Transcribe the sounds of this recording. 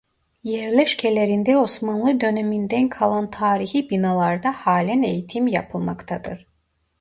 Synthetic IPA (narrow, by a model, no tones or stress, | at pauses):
jɛɾlʲɛʃcʰelʲe̞ɾind̪ɛo̞smanlˠɯd̪ø̞nemind̪ænkʰalˠant̪ʰaːɾihibinalˠaɾd̪ahaːlʲæne̞jit̪ʰimja̰pʰɯlˠmakt̪ʰad̪ɯɾ̥